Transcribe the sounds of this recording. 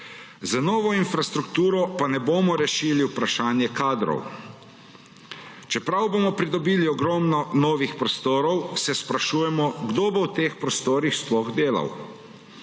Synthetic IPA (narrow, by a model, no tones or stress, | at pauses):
zanɔːʋɔinfɾast̪ɾukt̪uːɾɔpanɛboːmɔɾɛʃiːliwpɾaʃaːnjɛkaːd̪ɾɔ̰w | t͡ʃɛpɾawbomɔpɾid̪ɔbiːliɔɡɾɔːmnɔnɔːʋixpɾɔst̪oːɾɔwsɛspɾaʃuːjɛmɔɡd̪oːbowt̪eːxpɾɔst̪oːɾixsplɔɣd̪eːla̰w